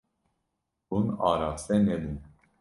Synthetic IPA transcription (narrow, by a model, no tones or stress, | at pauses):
unɑ̰ɾasɛnɛlin